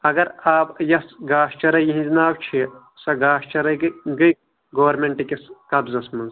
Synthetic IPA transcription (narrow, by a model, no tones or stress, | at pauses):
ɐɡɐɾaːpjɐsɡaːʃt͡ʃɐɾɐjiɦĩd͡ʒinaːwt͡ʃʰi | sɐɡaːʃt͡ʃɐɾɐɡɐj | ɡoːɐɾmeɳʈikeskɐbzɐsmɐnz